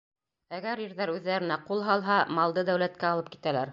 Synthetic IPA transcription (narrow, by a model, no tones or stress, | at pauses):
æɡæɾjĭɾðæɾʉðːæɾɘ̆næqulˠɦɑlˠɦɑmɑlˠd̪ɤd̪æwlæt̪̚kæɑlˠɤp̚ki̥t̪ælæɾ